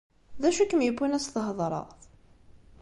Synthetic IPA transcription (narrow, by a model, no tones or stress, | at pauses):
ðæʃukəmjəbːinæsθəɦəðˤɾˤə̰ʁθ